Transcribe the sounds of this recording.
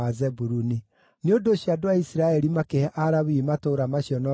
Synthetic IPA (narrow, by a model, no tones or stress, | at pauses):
azɛbuɾuni | neodoɕiadoaisiɾaɛɾimakehɛʔaɾaβimatoɾamaɕjɔnɔ